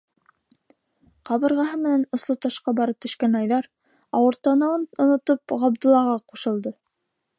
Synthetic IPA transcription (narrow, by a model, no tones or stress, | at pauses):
qɑβɤ̆ɾʁɑɦɤmɘ̆nænŏslˠot̪ɑʃqɑbɑɾɤp̚t̪ɵ̆ʃkænɑjðɑɾ | ɑwɤ̆ɾt̪ɑnɑ̆wɤnŏnŏt̪opʁɑb̚d̪ɤ̆lˠɑʁɑquʃɤ̆lˠd̪ɤ